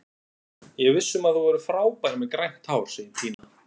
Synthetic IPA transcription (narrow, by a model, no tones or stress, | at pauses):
jɛɣvɪsːʏmaðθuvɔɾʏfɾaːwpajɾɪmɛðkɾajŋ̥t̪haːwɾ̥sɪt̪ʰiːna